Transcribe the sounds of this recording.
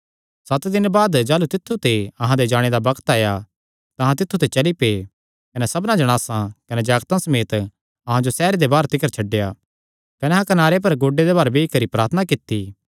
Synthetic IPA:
sɐt̪d̪ɪnbaːd̪d͡ʒaːlut̪ɪt̪ʰːut̪eɐɦãd̪ed͡ʒaːɽ̃ed̪abɐkʰt̪aːja | t̪ɐɦãt̪ɪt̪ʰːut̪et͡ʃɐlipe | kɐnesɐbnãd͡ʒɐɽ̃aːsãkɐned͡ʒaːɡt̪ãsɐmeːt̪ | ɐɦãd͡ʒosɛːɾed̪ebaːɾt̪ɪkəɾt͡ʃʰɐɖːeja | kɐneɦãkɐnaːɾep̬ɐɾɡoːɖːed̪ebaːɾbeːikɐɾipɾa̰ːɾt̪ʰənakɪt̪ːi

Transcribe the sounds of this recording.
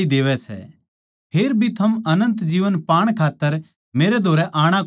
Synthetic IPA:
id̪eːʋɛsɛ̰ | pʰeːɾbʱit̪ʰɐmɐnə̃nt̪d͡ʒiːʋənpaːɽ̃kʰaːt̪ːəɾ | meːɾɛd̪ʱoːɾɛʔaːɽ̃a

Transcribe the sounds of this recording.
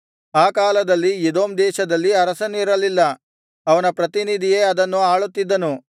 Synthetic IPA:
aːkaːlɐd̪ɐlːijed̪oːmd̪ɛːʃɐd̪ɐlːiɐɾɐsɐniɾɐlilːɐ | ɐʋɐnɐpɾɐt̪inid̪ʱijeːɐd̪ɐnːuaːɭut̪ːid̪ːɐnu

